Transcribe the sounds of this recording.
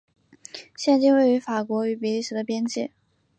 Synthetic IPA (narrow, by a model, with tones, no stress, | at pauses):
ɕjɛ˥˧nt͡ɕi˥˧ŋwe˥˩ɪy˧˥fa˨˩kwɔ˧˥y˧˥p̬i˨˩li˥˩ʂɻ̩˧˥d̪ə˧pjɛ˥nt͡ɕi˥˩˦